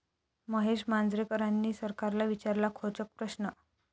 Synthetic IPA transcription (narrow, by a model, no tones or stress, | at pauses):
məɦeʂmand͡zɾekəɾanːiːsəɾkaɾlaʋit͡ɕaɾlakʰot͡sək̚pɾəsnə